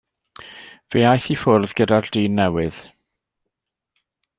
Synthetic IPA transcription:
v̥eːajθifʊrðɡədard̥iːnːɛwɪð̥

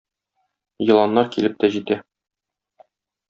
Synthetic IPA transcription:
jɤ̆lˠɑnːɑɾkilɘp̚t̪æʑit̪æ

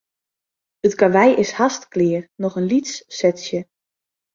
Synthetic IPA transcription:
ətkaʋɛjʔɪshastklɪːrnɔxənlitsːɛtsjə

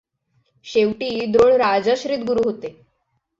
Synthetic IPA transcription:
ɕeʋʈiːd̪ɾoɳɾad͡zaɕɾit̪ɡuɾuːɦot̪e

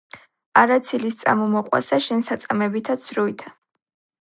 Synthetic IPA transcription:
aɾat̪sʰilist̪sʼa̰mɔmɔqʼwa̰saʃɛnsat̪sʼamɛbit̪ʰat̪sʰɾuit̪ʰḁ

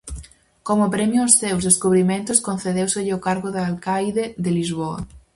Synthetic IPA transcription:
komʊpɾɛmjʊːsθewzðeskuβɾimẽnt̪ʊskon̟θeðewseʎokaɾɣʊðaalkajðeðɪlizβoɐ̰

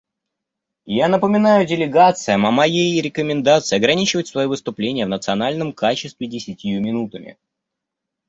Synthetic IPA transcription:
janəpəmʲɪnajʊdʲɪlʲɪɡat̪sɨjəmɐmɐjejɾʲɪkəmʲɪnd̪at̪sɨɪɐɡɾɐnʲit͡ɕɪvətʲsvɐjivɨst̪ʊplʲenʲɪjəvnət̪sɨɐnalʲnəmkat͡ɕɪst̪vʲɪdʲɪsʲɪtʲɪjumʲɪnut̪əmʲɪ̰

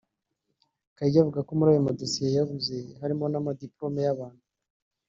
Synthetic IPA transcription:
kaiɟavuɡako̞muɾaːjo̞mado̞sijejaɡubze̞haɾimo̞namadiplo̞me̞jaβaːnhu

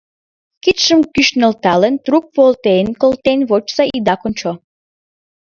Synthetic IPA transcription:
kit̪ʃəmkyʃnə̆lt̪ɑlənt̪ruk̚βolt̪enkolt̪enβot͡ʃsɑid̪ɑkont͡ɕo

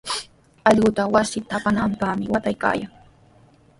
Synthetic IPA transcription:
ɑʎɢʊt̪awasɪt̪apanampahmɪwat̪ajka̰ːjaŋ

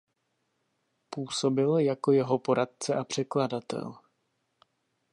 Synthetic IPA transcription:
puːso̞bɪljako̞jɛɦo̞po̞ɾat̪̚t͡sɛʔapr̝̥ɛkladat̪ɛ̰l

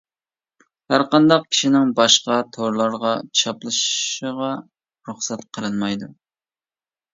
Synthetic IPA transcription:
hæɾqɑnd̪ɑq̚kʲʰi̥ʃinɪŋbɑʃqɑt̪ʰoɾlˠɑɾʁɑt͡ʃʰɑplˠɨʃəʁɑ | ɾuχsɛt̪qʰəlˠɨnmɑjd̪u

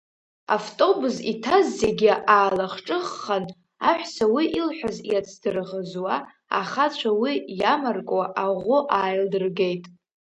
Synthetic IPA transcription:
a̰ftʼo̞buzitʰazːeɡʲɪʔaːlaχʈ͡ʂʼɨχːan | aħʷsawiʔilħʷᶣazjat͡sʰd̥ɨrʁəzwa | a̰χat͡ɕʷʰawijamarkʼwaʔaʁʷʊʔaːjldɨrɡe̞jtʼ

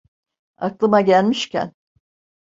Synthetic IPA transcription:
a̰klˠɯmaɟælʲmiʃcʰæ̰n

